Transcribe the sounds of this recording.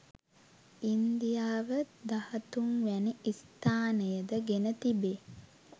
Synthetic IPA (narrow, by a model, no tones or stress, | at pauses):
ind̪ijaːʋəd̪ahət̪uŋʋæniist̪aːnəjəd̪əɡenət̪ibe